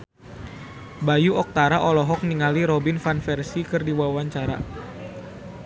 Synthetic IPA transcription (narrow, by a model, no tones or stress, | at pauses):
bajuɔk̚t̪aɾaʔɔlɔɦɔk̚niŋaliɾɔbinfanfɛrsikɨrdiwawaɲt͡ʃaɾa̰